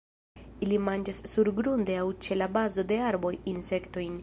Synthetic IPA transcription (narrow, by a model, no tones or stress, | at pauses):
ilimand͡ʒasːuɾɡɾundeawt͡ʃe̞labazo̞de̞aɾbo̞jinse̞kto̞jn